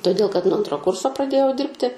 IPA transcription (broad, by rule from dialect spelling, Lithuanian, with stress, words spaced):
toːˈdʲeːlˠ kɐt nuɔ ˈɐntroː ˈkʊrsoː prɐˈdʲeːjɛʊ ˈdʲɪrʲpʲtʲɪ